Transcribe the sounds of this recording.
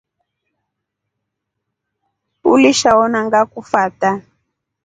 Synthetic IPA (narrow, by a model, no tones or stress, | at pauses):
uliʃaɔnaŋɡakufata